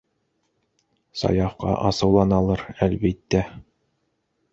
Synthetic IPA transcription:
sɑ̰jɑfqɑ̰ʔɑsɤ̆wlˠɑnɑlˠɤɾælbit̪ːæ

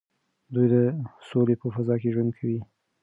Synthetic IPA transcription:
d̪ujd̪əsolepəfazɑkeʒwand̪̚kʰawi

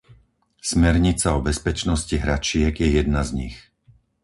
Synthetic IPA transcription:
smɛɾɲit͡saɔbɛspɛt͡ʃnɔsciɦɾat͡ʃɪɛɡjɛjɛd̪̚nazɲḭx

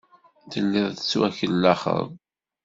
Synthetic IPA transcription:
ðəlːɪðˤðə̥t͡sːwæçəlːæχə̰v

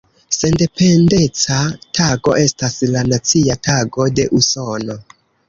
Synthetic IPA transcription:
se̞nde̞pe̞nde̞t͡satʰaɡo̞̰ʔe̞staslanat͡siataɡo̞de̞ʔuso̞no̞

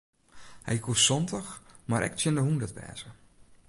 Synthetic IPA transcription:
hɛ̰jkusɔntəxmaɾʔɛ̰k̚t͡ʃjɪndəɦundətbɛ̰ːzə

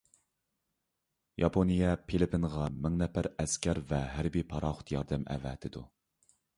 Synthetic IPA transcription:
jɑpʰonijɛpʰelɪpinʁɑmɪŋnɛpæɾɛskʲæɾvɛɦæɾbipʰɑɾɑːχʊ̥t̪jɑɾd̪ɛmɛ̰vɛ̰t̪ʰɪd̪u

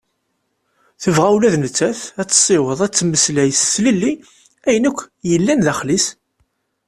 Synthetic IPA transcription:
θəvʁæwlæðnət͡sːæθæt͡sːsˤːɪwəðˤæt͡sːməslæjsːləlːi | æjənækʷːjəlːænðæχlis

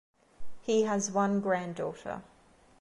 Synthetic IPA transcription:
hiəzwʌ̃nɡɹæ̃ndɔˑtə̰

